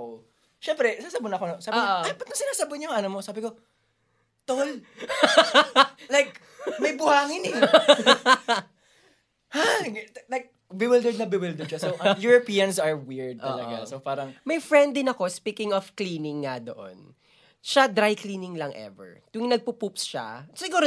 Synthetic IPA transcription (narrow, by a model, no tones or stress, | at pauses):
ʃɛmpɾɛsaːsɐbʊnɐkonosaːɪʔoɐjpɐt̪ɐŋsɪnaːsɐbʊɲoŋɐnomosaːbɪko | t̪ol | lajk | mɐjbʊhaːŋɪnɛ | halajk̚ | bɪwɪld̪ɛd̪̚nɐbɪwɪld̪ɛd̪̚ʃasoʔɐjuɹopiːɐnsɐɹwɪɹd̪̚ʔ̪ɐlɐɡa̰sopaːɾɐŋmɐjfɹɛnd̪ɪnɐko̞spiːkɪŋɔfkliːnɪŋːɐd̪o̞̰ʔo̰n | ʃad̪ɾajkliːnɪŋlɐŋʔɛ̰vɛ̰ɹt̪ʊŋnɐɡ̚pupupsʃa̰sɪɡuːɾo